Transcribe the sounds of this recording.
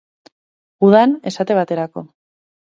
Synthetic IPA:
uðane̞sat̪e̞β̞at̪e̞ɾako̞

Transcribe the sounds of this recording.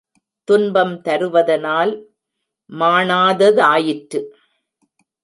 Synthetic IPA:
t̪ʊnbɐmt̪ɐɾɯʋɐðɐnaːl | maːɳaːðɐðɯaːjɪʈɾɯ

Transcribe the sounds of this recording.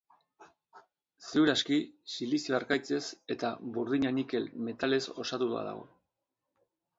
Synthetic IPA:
seuɾaskisilisioaɾkajt͡se̞se̞t̪aβuɾðiɲanike̞lme̞t̪ale̞so̞̰sat̪ua̰ða̰ɣ̞o̞̰

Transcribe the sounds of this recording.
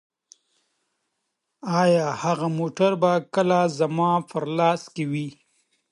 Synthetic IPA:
ɑːjɑːhaɣamoʈaɾbakəlazamɑpəɾlɑːskewi

